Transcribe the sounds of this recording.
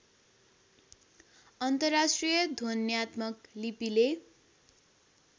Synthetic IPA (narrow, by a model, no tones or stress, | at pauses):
ʌnt̪ʌrːasʈrijʌd̪ʱonjat̪mʌklipile